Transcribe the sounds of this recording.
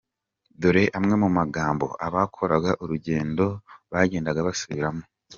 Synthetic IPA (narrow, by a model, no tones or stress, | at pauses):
doɾe̞ʔamŋe̞mumaɡaːmbo̞̰ʔaβakʰo̞ɾaɡaʔuɾuɟe̞ːndo̞βaːɟeːndaɡaβasuβiɾamŋo